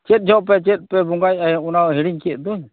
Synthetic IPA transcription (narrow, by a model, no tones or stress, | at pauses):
t͡ʃɛt̪̚d͡ʒʱɔʔpɛt͡ʃɛt̪̚ˀpɛbɔŋɡajaɛɔnaɔɦiɽiɲkiɛʔ̪̚d̪ɔɲ